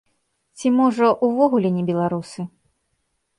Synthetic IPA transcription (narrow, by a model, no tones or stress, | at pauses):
t͡sʲimɔʐɐʔuvɔɣulʲɛnʲɛbʲɛlˠaɾusɨ